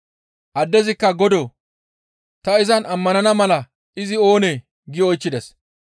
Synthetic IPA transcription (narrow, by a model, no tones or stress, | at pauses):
ʔɐd̪ːɛzɪkːɐɡɔd̪o | t̪ɐɪzɐnɐmːɐnɐnɐmɐlɐ | ʔɪzɪo̞ːne | ɡɪɔjt͡ʃːɪd̪ɛs